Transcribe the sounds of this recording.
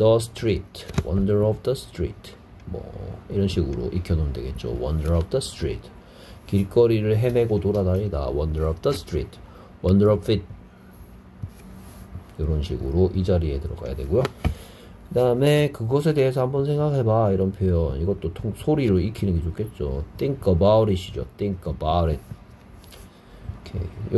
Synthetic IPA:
d̥ʌs̬tʰɾitʰwʌndəɾʌp̚ʰdʌstʰɾḭtʰ | mʌ̰iɾʌnɕʰiɡɯɾo̰ʔikʰjʌnomndweɡe̞t̚t͡ɕ͈o̰wʌ̰ndəɾʌp̚ʰdʌstɾḭtʰ | kiɭk͈ʌɾiɾɯɭɦe̞me̞ɡotoɾadaʎida̰wʌndəɾʌp̚ʰd̥ʌstʰɾḭtʰ | wʌndəɾʌpfit̚ | joɾʌnɕʰiɡɯɾoʔid͡ʑaɾiedɯɾʌ̰ɡa̰ja̰dwe̞ɡujo | kɯdaɯme̞kɯɡʌs̬ʰe̞de̞ɦesʰʌhambʌnsʰe̞ŋɡakʰabaiɾʌnpʰjojʌniɡʌtt͈otʰoŋsʰoɾiɾoikʰinɯnɡe̞t͡ɕokʰe̞t̚t͡ɕ͈o̰tʰiŋkʰʌbawuɾiɕʰid͡ʑo̰tʰiŋkʰʌbaɾit̚ | kʰḛj

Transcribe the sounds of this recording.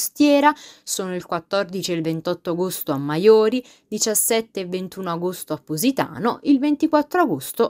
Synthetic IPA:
st̪jɛːɾasoːnoilkwat̪ːɔrd̪it͡ʃielvent̪ɔt̪ːoaɡost̪oamːajoːɾi | d̪it͡ʃasːɛt̪ːeːvːent̪uːnoaɡost̪oapːozit̪a̰ːnoʔilvent̪ikwat̪ːɾoaɡost̪o

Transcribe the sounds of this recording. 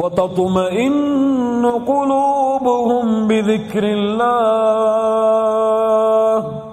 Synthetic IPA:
wɑt̪ɑt̪ˤmaʔɪnːʊqʊluːbʊhʊmbɪðɪkɾɪlːaː | h

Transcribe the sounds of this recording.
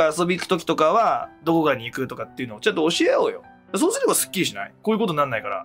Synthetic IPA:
aːso̞bʲiːkɯ̥t̪okʲi̥t̪o̞kaβad̪o̞ko̞ɡaɲ̟iːkɯ̟t̪o̞kat̪ːe̞iɯ̟no̞ot͡ɕãnt̪̬o̞ːɕieoːjo̞̰ | d̪as̬osɨɾʲibasɨ̥kʲːiɾiɕina̰ḭkoːjɯ̟koonːanːaikaɾa̰

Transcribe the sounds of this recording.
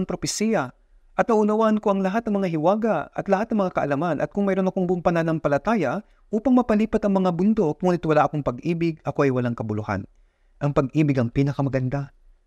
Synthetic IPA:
ŋpɾo̞pɛsiːjɐ | ʔɐt̪̚nɐʔʊnɐwaːʔɐnkoʔɐŋlɐɦat̪nɐŋmɐŋaɦɪwaːɡɐɐ̰t̪lɐhat̪nɐŋmɐŋakɐʔɐlɐmanʔɐ̰t̪̚kʊŋmɛɾo̞nɐkoŋbʊŋpɐnanɐŋpɐlɐt̪aːjɐ | ʔuːpɐŋmɐpɐliːpɐt̪ɐŋmɐŋabʊnd̪okonɪt̪wɐlaʔɐkoŋpɐɡʔiːbɪɡɐko̞ʔɐjwɐlaŋkɐbʊlʊha̰n | ʔɐŋpɐɡʔiːbɪɡɐŋpiːnɐkɐmɐɡɐnd̪a

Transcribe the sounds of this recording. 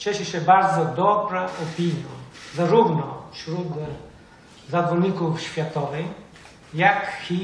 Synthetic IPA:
t͡ɕɛʃɛɕɛbaɾd̪zɔd̪ɔbɾaʔɔpʲiɲjazaɾuvnɔfɕɾut̪ | zad̪vɔɲikufɕfʲjat̪ɔvɛj | jakxi

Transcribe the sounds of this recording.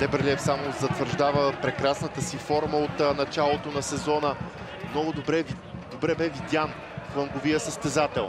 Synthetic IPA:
d̪ɛpɾɛlɛfsamozɐt̪vəɾʒd̪avəpɾɛkɾasnət̪əsifɔɾməot̪nɐt͡ʃalˠot̪onɐsɛzɔnə | mnɔɡʊd̪bɾɛ | d̪obɾɛbɛvid̪ʲan | flˠəŋɡovijəsəst̪ɛzat̪ɛlˠ

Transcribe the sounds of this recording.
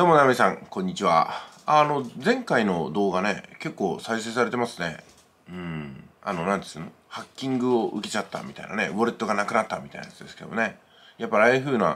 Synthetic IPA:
d̪omo̞amesãŋkõ̞ɲ̟ːit͡ɕiβa̰ano̞d͡zẽ̞ŋkaino̞d̪o̞ːɡane̞ke̞kːo̞ːsaise̞ːsaɾe̞t̪e̞masɨne̞̰ | ɯ̟̃ɴa̰no̞nãnd̪esɨnohakʲːĩŋɡɯ̟oʔɯ̟ke̞t͡ɕat̪ːa̰mʲit̪a̰ina̰ne̞̰bo̞ɾet̪ːo̞ɡanakɯ̟nat̪ːamʲit̪a̰inaja̰t͡sɨd̪e̞sɨ̥ke̞d̪o̰mne̞ | japːaɾʲiaiɸɯ̟ːna̰

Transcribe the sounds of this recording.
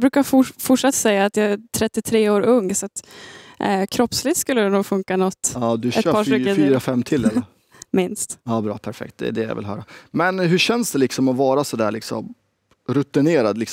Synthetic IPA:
bɾʉ̟kafʊfʊʈʂat̪ːsɛjːaːt̪jaæt̪ʰɾɛt̪ːɪt̪ʰɾeːoːɾɵŋːsat̪ʔkʰɾɔpslɪt̪skɵlːəd̪ɛnuːɡfɵŋkanɔt̪ːɑːd̪ɵɛt̪ːpɑːʂʏːəfyːɾafɛmːt̪ʰɪlːɛl | mɪnst̪ɑːbɾɑ̰ːpʰæɾfɛ̰kt̪̚d̪ɛ̰ɖɛjɑ̰vɪ̰lɦœ̰ːɾamɛnɦɵɕɛnsd̪ɛlɪksɔmɔvɑːɾasɔd̪æ̰ːɭɪksɔ̰m | ɾɵt̪ɪneːɾad̪lɪks

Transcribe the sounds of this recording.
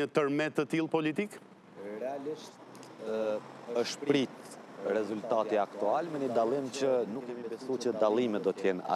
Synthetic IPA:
ət̪əɾmɛt̪ːət̪ilˠpɔlit̪ik | əʃppɾit̪rɛzult̪at̪iakt̪ualmɛnəd̪alˠimt͡ɕənukːɛmibɛsut͡ɕəd̪alˠimɛt̪̚d̪ɔt̪əjɛna̰

